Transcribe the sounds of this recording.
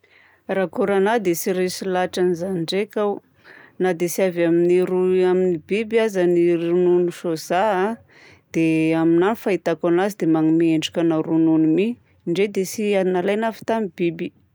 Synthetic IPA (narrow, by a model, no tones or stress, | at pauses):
rakuɾanad̪esiɾesilaʈ͡ʂanizaniɳɖ͡ʐekʲaw | nad̪esiavaminiɾuaminibibiazaniɾununuʃozaa | d̪̥eaminanifait̪akanazid̪emaŋimieɳɖ͡ʐikʲanaɾununumi | ɳɖ͡ʐed̪esiainalajnafi̥t̪amib̥ibi